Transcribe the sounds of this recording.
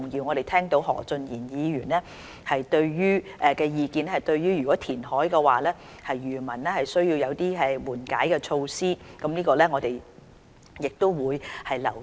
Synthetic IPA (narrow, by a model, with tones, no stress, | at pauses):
ʊ˨˩ŋjiː˧wŋɔː˨˧ɾe˨jt̪ʰɛː˥ŋt̪o˨˥wɦɔ̰ː˨˩t͡sɵ˧njiː˨˩njiː˨˧jyː˨˩nlɛ˥ | hɐ˨jt̪ɵ˧ɥjyː˥ | ʔɛ˨kɛː˧jiː˧kiː˧nɛ˥hɐ˨jt̪ɵ˧ɥjyː˥jyː˨kɔː˨˥t̪ʰiː˨˩nhɔː˨˥jkɛ˧waː˨lɛː˥ | hɐ˨jːyː˨˩mɐ˨˩nlɛ˥hɐ˨jsɵ˥ɥjiː˧wjɐ˨˧wt̪iː˥ɛ˨˩wuː˨˩nka̰ː˨˥jkɛː˧t͡ʃʰo˧wsiː˥kɐ˨˥mniː˥kɔː˧lɛː˥ŋɔː˨˧t̪e˨j | jɪ˨k̚t̪o˥wwuː˨˧jhɐ˨jlɐ̰˨˩w